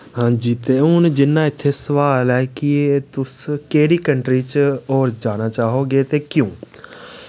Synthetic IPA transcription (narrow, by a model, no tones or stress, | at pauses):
hãːd͡ʒiːt̪eːʊnd͡ʒɪnːãːɪt̪ʰːeːsəʋaːlɛːkiet̪ʊskeːɽiːkəɳʈɾiːt͡ʃɔːɾd͡ʒaːnaːt͡ʃaːɦoːɡeːt̪eːkjõː